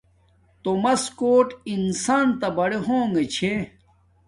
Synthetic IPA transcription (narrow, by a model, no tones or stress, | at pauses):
t̪omɐskoːʈinsaːnt̪ɐbɐɽeɦoːŋɡet͡ɕʰe